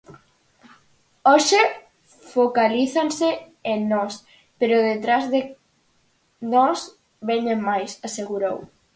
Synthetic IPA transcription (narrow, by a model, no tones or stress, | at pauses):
ɔʃɪ | fokaliθanse | enɔs | peɾʊðet̪ɾazðe | nɔs | βɛɲemːajsaseɣuɾow